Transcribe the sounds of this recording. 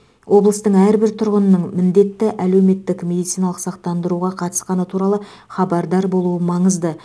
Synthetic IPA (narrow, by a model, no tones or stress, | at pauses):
wʔo̞blˠəst̪əɴæɾbɪɾt̪ʰʊɾʁənənəɴmɪnd̪e̞t̪ːɪʔæle̞wme̞t̪ːɪkmʲe̞d̪it̪sijnɑlˠəqsɑqt̪ɑnd̪əɾuʁɑqʰɑt̪ə̥sqɑnət̪ʰuɾɑlˠə | χɑbɑɾd̪ɑɾbo̞lˠuəmɑɴəzd̪ə